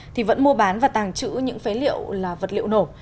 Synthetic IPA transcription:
t̪ʰi˨˩və̰˧˥nmu˧əɓaː˨˦nvaː˨˩t̪aː˨˩ŋt͡ɕɨ̰˧˥ɲɨ̰˧˥ŋfe˨˦lḭ˧˨əwlaː˨˩və˨˩t̚lḭ˧˨əwno˧˩

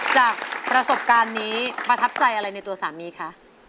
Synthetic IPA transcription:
t͡ɕaː˨˩k̚pɾa˧so˨˩p̚kaː˧nːiː˦˥pa˧t̪ʰa˦˥p̚sa˧jʔa˧ɾa˧jna˧jt̪u˧ɐsaː˩˦miː˧kʰa˦˥ʔ

